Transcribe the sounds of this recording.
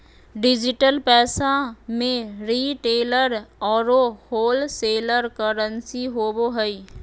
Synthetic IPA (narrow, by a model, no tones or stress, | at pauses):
ɖɪd͡ʒɪʈəlpɛːsamẽɾiːʈeːləɾɔːɾohoːlseːləɾkəɾə̃nsiɦoboɦəi